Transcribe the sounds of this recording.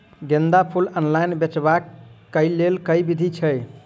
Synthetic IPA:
ɡẽnd̪apʰulənlajnbet͡ʃbakːəjlelkəjbid̪ʱit͡ʃʰəj

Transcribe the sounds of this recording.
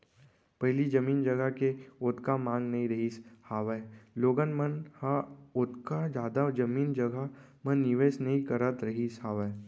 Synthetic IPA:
pɐɦlid͡ʒɐmiːnd͡ʒɐɡəkeʊt̪kamãːŋɡnɐɦĩɾɐɦishaːʋəloːɡənmənhaʊt̪kad͡ʒjaːd̪ad͡ʒɐmiːnd͡ʒɐɡa | mə̃nːɪʋeːsnɐɦĩkɐɾət̪ɾɐɦishaːʋə

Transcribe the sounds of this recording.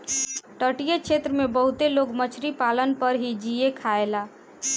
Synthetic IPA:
ʈəʈijekt͡ʃʰet̪ɾəmebəɦut̪eloɡmət͡ʃʰɾipalənpəɾɦid͡ʒiekʰaela

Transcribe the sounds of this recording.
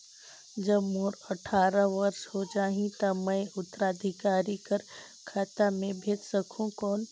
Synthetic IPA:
d͡ʒəbmoːɾɐʈʰaːɾəʋɐɾʃɦod͡ʒaːɦĩt̪amə̃ɪʊt̪ːəɾaːd̪ʱɪkaːɾikəɾ | kʰaːt̪amẽbʱeːt͡ʃ̪səkʰũkoːn

